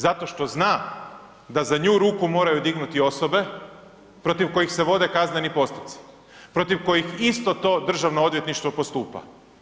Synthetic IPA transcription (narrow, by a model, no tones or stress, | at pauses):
zat̪o̞ʃt̪o̞znaː | d̪azaɲuːɾuːkumo̞ːɾajud̪iɡnut̪io̞so̞be̞ | pɾo̞t̪iʋko̞jixse̞ʋo̞d̪e̞kaznenipo̞st̪osi̥ | pɾo̞t̪iʋko̞jixist̪o̞t̪o̞ːd̪r̩ʒaʋnoo̞d̪je̞t̪niʃt̪ʋo̞post̪uːpa̰